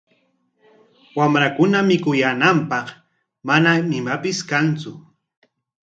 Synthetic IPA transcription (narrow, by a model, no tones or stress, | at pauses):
wamɾakʊnamɪkʊjanampɑχ | manaɪmapɪskant͡sʊ